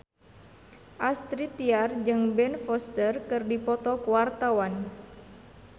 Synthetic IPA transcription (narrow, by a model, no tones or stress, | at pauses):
ʔast̪ɾit̪iard͡ʒɨŋbɛnfɔst̪ərkɨrdipɔt̪ɔkuwart̪awan